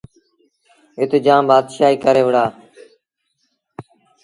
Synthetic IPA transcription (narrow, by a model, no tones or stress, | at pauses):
ɪt̪ːd͡ʒãːmbaːd̪ʃaːɦiːkəɾeːʋəɽaː